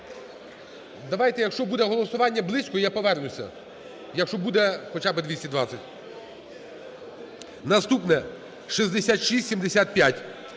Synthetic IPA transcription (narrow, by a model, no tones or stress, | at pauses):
d̪ɐʋɑjt̪ɛjɐkʃt͡ʃɔbud̪ɛɦɔlˠɔsʊʋɑnʲːɐblˠɪsʲkɔjapɔʋɛrnʊsʲɐ̰ | jɐkʃt͡ʃɔbud̪ɛxɔt͡ʃabɪd̪ʋʲisʲtʲid̪ʋɑsʲɐtʲ | nɐst̪upnɛ | ʃizʲd̪esʲat̪ʃisʲtʲsʲimd̪esʲat̪̚pʲjatʲ